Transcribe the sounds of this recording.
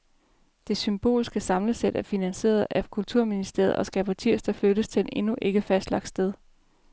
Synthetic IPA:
d̥e̝symb̥o̝̰ːlsɡ̥əsɑ̈mləsed̥æɐfinænse̝̰ːɐð̩ˠækʰult͡sʰuɐ̰minisd̥e̝ɐð̩ˠʔɒ̽sɡ̥æpʰɑt͡sʰiɐ̰sd̥ɑfløɾəst͡sʰe̝ne̝nuʔe̝ɡ̥əfæsd̥lɑ̈ɡ̥sd̥eð̞ˠ

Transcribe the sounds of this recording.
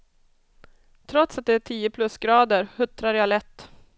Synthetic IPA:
t̪ʰɾɔt̪sat̪̚d̪ɛæʈʰiːəpʰlɵsɡɾɑːd̪əɾhɵt̪ɾaɾjaːlɛt̪ː

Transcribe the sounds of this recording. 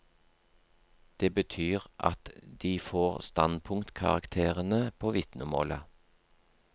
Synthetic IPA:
d̪̥eːbət̪ʰyːʁʔɑ̰t̪d̪̥iːfoːʁst̪ɑnpʰʊŋt̪kʰɑ̰ʁɑ̰kt̪ʰeːʁənəpʰoːʋɪt̪nʊmo̰ːlə

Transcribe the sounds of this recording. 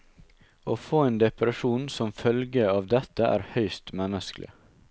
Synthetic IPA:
oːfoːeːnd̪ɛpɾɛʃuːnsɔmfœlɡəɑːʋd̪ɛt̪ːəʔæ̰ːɾhœʏst̪mɛnəsklʔɪ̰

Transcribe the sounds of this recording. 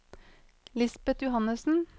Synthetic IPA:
lɪsbɛt̪jʊhɑnəsn̩

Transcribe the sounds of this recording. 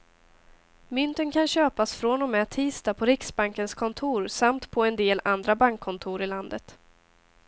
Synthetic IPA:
mʏnt̪ənkʰanɕøːpasfɾɔnɔmɛːt̪ʰiːst̪apʰɔɾɪksbaŋkənskʰɔnt̪ʰuːɾsamt̪pʰɔɛnd̪eːlʔand̪ɾabaŋkʰːɔnt̪ʰuːɾɪland̪ət̪

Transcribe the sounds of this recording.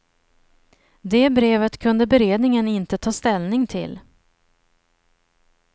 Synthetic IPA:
d̪eːbɾeːvət̪kʰɵnd̪əbɛɾeːd̪nɪŋənɪnt̪ət̪ʰɑːst̪ɛlnɪŋt̪ʰɪ̰l

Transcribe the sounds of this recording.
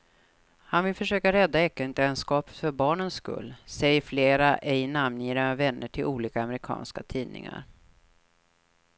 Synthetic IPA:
hanvɪlfœʂøːkaɾɛd̪ːaɛkːənt̪ɛnskɑːpfœɾbɑːɳənskɵ̰lːsɛjəfleːɾaʔɛjnamnjiːɾaavɛnːəʈʰɪlʔuːliːkaamɛɾɪkʰɑ̰ːnskat̪ʰiːnɪ̰ŋa̰ɾ

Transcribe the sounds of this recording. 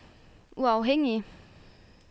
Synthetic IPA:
uɑʊɦeŋ̰i

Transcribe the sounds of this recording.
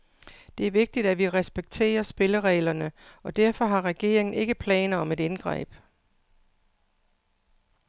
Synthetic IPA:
d̥e̝æɐʋe̝ɡ̥̚d̥id̥æʋiʁɛsb̥eɡ̥̚t͡sʰe̝̰ːɐsb̥e̝ləʁɛɪlɐnəɒ̽d̥æɐfɒ̽ɦɑ̈ʁɛɡ̥e̝ɐ̰e̝ŋn̩e̝ɡ̥əpʰlɛ̰ːnɐɒ̽me̝denɡ̥ʁɛ̰ːb̥

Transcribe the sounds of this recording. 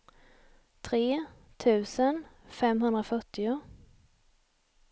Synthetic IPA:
t̪ʰɾeː | t̪ʰʉ̟ːsənfɛmɦɵnd̪ɾafœʈːɪʊ

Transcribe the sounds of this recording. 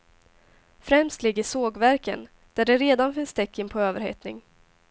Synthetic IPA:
fɾɛmst̪lɪɡːəʂoːɡvæɾkə̰n | d̪̥æɖɛɾeːd̪anfɪnst̪ɛkːɪnpʰɔøːvəɾhḛːt̪nɪŋ

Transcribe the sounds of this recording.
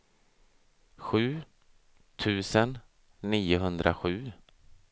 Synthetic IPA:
ɧʉ̟ː | t̪ʰʉ̟ːsənː | iːʊɦɵnd̪ɾʔa̰ɧʉ̟ː

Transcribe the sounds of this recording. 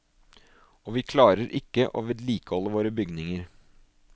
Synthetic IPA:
ɔːʋiːkʰlɑːɾəɾʔɪkːəʔo̰ːʋɪd̪liːkəhɔlːəʋoːɾəbʏɡnɪŋəɾ

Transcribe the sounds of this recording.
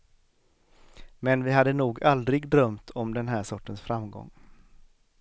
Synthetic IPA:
mɛnvɪɦad̪ːənuːɡald̪ɾɪɡd̪ɾœmt̪ʰɔmd̪ɛnɦæːʂɔʈːənsfɾamɡɔ̰ŋː

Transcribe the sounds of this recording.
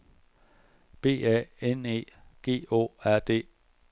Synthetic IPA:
b̥e̝̰ːɛ̰ene̝̰ːɡ̥e̝̰ːo̝̰ːæɐ̰d̥e̝̰ː

